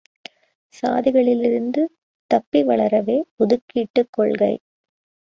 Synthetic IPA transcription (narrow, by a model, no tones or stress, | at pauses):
sa̰ːðɪɣɐɭɪlɪɾɯnd̪ɯ | t̪ɐpːiʋɐɭɐɾɐʋeːpɔðɯkːiːʈːɯkːɔɭɣɐɪ